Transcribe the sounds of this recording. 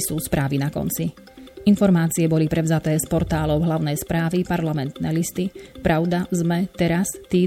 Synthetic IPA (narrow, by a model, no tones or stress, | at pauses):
suːspɾaːʋinakɔ̰nt͡si | infɔɾmaːt͡siɛbɔlipɾɛʊzat̪ɛːspɔɾt̪aːlɔʊɦlaʊnɛjspɾaːʋipaɾlamɛnt̪nɛlist̪ipɾʔaʊd̪azmɛt̪ɛɾast̪iː